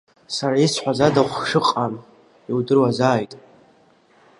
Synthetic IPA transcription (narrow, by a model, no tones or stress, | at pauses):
saɾaisħʷᶣazadaχʷʂɨqʼan | iwdɨrwazaːjtʼ